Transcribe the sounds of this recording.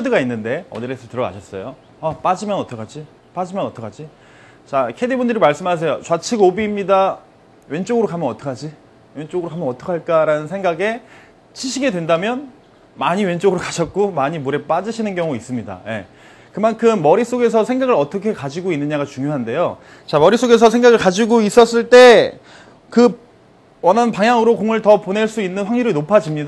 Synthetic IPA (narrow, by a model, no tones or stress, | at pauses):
dɯɡainːɯnde̞ʌ̰nɯɾe̞sʰʌɭtɯɾʌɡa̰ɕʰʌs͈ʌjo | ap͈ad͡ʑimjʌnʌt͈ʰʌkʰad͡ʑi | p͈ad͡ʑimjʌnʌt͈ʰʌkʰad͡ʑi | t͡ɕakʰe̞dibundɯɾimaɭs͈ɯmɦas̬ʰe̞jot͡ɕwat͡ɕʰiɡobiːmɲida | we̞nt͡ɕ͈oɡɯɾokamjʌnʌt͈ʌkʰad͡ʑi | we̞nt͡ɕ͈oɡɯɾokamjʌnʌt͈ʰʌkʰaɭk͈aɾanɯnsʰe̞ŋɡaɡe̞ | t͡ɕʰiɕʰiɡe̞dwe̞ndamjʌn | maɲiwe̞nt͡ɕ͈oɡɯɾokaɕʰʌt̚k͈omaɲimuɾe̞p͈ad͡ʑɯɕʰinɯnkjʌŋuis͈ɯmɲida̰je̞̰ | kɯmankʰɯmːʌɾis͈oɡe̞s̬ʰʌsʰeŋɡaɡɯɾʌt͈ʰʌkʰe̞kad͡ʑiɡoinːɯɲaɡat͡ɕuŋjoɦande̞jo | t͡ɕamʌɾis͈oɡe̞s̬ʰʌsʰeŋɡaɣɯɭkad͡ʑiɡois͈ʌs͈ɯɭt͈e̞ | kɯ | wʌnanpaŋjaŋɯɾokoŋɯɭtʌpone̞ɭs͈uinːɯnɸwaŋɲiɾɯɭnopʰad͡ʑimɲida